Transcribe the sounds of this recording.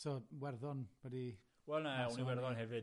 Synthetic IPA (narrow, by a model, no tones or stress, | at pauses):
sɔːwɛrðɔnwɛdi | wɛlˠnaɛuniwɛrðɔnɦɛvɨd